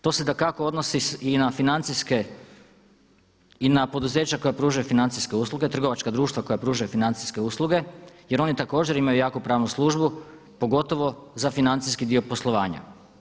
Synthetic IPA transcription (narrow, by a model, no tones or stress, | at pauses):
t̪o̞sed̪akako̞o̞d̪nosiinafinant̪siske | inapo̞d̪uze̞ːt͡ɕako̞japɾuːʒajufinant̪siske̞uːslˠuɡe̞t̪r̩ɡo̞ʋat͡ʃkad̪ɾuːʃt̪ʋako̞japɾuːʒujufinant̪si̥ske̞uːslˠuɡe̞je̞ɾo̞nit̪ako̞ːd͡ʑeɾimajujaːkupɾaːʋnuslˠuːʒbu | po̞ɡo̞t̪o̞ʋo̞zafinant̪siskid̪io̞po̞slˠoʋaːɲa̰